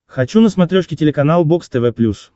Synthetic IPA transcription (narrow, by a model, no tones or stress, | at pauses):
xɐt͡ɕunəsmɐt̪ɾʲoʂkʲɪtʲɪlʲɪkɐnalˠbokst̪ɛvɛplʲus